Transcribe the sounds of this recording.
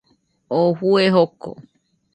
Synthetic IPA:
ohueɦoko̰

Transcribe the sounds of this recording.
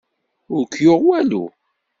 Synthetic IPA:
ʊɾkjoʁwælṵ

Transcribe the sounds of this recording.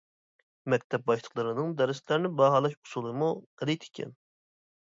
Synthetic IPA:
mɛk̚ʲt̪ʰɛp̚bɑʃlˠə̥qlˠɨɾɨnɨŋd̪ɛɾɪst̪læɾnɪbɑɦɑlˠɑʃu̥sulˠɨmuqɛlɛjt̪ʰɪ̥kʲʰɛ̰n

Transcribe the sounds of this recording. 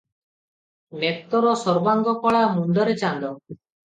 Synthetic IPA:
net̪ɔɾɔsɔɾbaŋɡɔkɔɭamund̪ɔɾet͡ʃand̪ɔ

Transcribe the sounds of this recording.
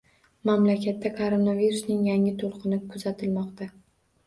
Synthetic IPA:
mamlakʲʰat̪ːakʰoɾonaviɾusnɪŋjaŋɪt̪ʰolˠqɨnɪkʰʊzat̪ʰɪlmɒqt̪ʰa

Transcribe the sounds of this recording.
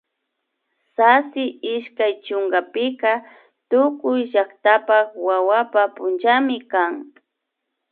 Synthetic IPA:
sasɪɪʃkajt͡ʃʊŋɡapɪka | t̪ʊkʊjʒakt̪apakwawapapʊnt͡ʃamɪkaŋ

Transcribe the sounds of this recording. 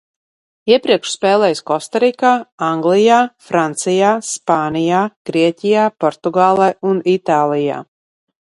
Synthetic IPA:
iɛpɾiɛkʃspɛːlˠɛːjskɔst̪aɾikaːaŋɡlijaːfɾant̪sijaːspaːnijaːɡ̥ɾiɛcʲijaːpɔɾt̪uɡaːlˠajunit̪aːlˠija̰ː

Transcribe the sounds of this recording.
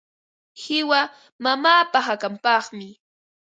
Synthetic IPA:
hɪwa | mamaːpaɦakampɑχmɪ

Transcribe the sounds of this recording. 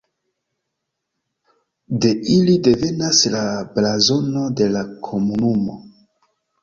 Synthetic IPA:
de̞ʔilide̞ve̞naslablazo̞no̞de̞lakʰo̞munumo̞̰

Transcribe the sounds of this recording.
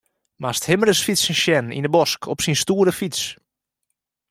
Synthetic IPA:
masthɪmərəsfisənʃjɛnḭnəbɔskʰɔpsinstuːəɾəfis

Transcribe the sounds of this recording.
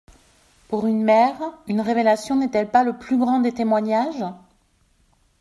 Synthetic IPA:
puʁynmɛʁynʁevelasjɔ̃nɛt̪ɛlpaləplyɡʁɑ̃d̪et̪emwaɲaʒ

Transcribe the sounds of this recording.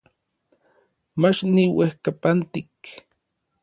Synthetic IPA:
mat͡ʃniwehkapant̪ik

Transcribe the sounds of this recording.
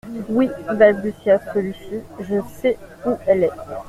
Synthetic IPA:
wiɛ̃balbysjastəlysyʒəsɛuɛlɛ

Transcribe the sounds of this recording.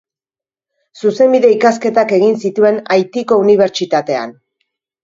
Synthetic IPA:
suse̞mbiðe̞ikaske̞t̪ake̞ɣinsit̪ue̞najt̪iko̞uniβ̞e̞ɾt͡ʃit̪at̪e̞a̰n

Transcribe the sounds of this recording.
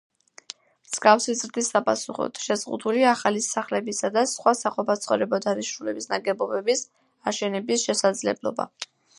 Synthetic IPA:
mz̥ɡafsizɾd̪isapʼasuχɔ̰t̪ʃɛzʁṵd̪uliaχalisaχlɛbisad̪asχwasaqʼɔpat̪sʰχɔvɾɛbɔd̪aniʃnulɛbisnaɡɛbɔbɛbis | aʃɛnɛbisʃɛsad̪zlɛ̰blˠɔ̰ba̰

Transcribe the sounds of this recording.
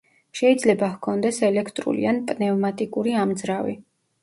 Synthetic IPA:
ʃɛid̪zlɛbahkʰɔnd̪ɛsɛlɛkʰt̪ʼɾṵlḭanpʼnɛvmat̪ʼikʼuɾiamd̪zɾavḭ

